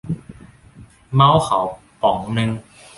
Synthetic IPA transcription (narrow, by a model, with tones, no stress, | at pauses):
ma˦˥wkʰa̰˩˦w | pɔ˨˩˦ŋnɯ˧ŋ